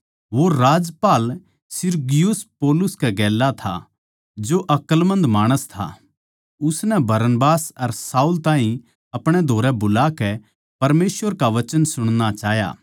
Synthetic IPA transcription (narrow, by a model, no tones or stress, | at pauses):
ʋoɾaːd͡ʒpaːl | sɪɾɡɪjʊspɔːlʊskɛɡɛːlːat̪ʰa̰ | d͡ʒoʔɐkəlmɐ̃nd̪maːɽ̃əst̪ʰa̰ | ʊsnɛbʱɐɾənbaːsɐɾsaːult̪ãːɦĩ | ɐpɽ̃ɛd̪ʱoːɾɛbʊlaːkɛ | pɐɾmeːsʋəɾkaʋɐt͡ʃənsʊɽ̃nat͡ʃaːɦja̰ː